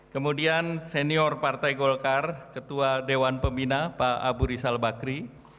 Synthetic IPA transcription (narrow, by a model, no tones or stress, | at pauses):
kəmudianseniɔrpart̪ajɡɔlkarkət̪uadewanpəmbinapaa̰buɾisalbakɾi